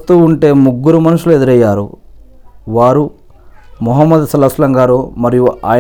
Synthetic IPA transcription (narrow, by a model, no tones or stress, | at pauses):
t̪uːɳʈe̞ːmuɡːuɾumɐnuʂulued̪uɾɐjːaːɾṵ | ʋaːɾu | mɔɦɐmːɐd̪sɐlɐslɐŋɡaːɾoːmɐɾijuʔa̰ːj